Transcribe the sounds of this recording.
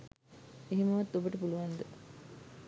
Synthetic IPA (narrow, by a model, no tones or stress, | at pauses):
eɦiməʋat̪ːobəʈəpuluʋand̪ə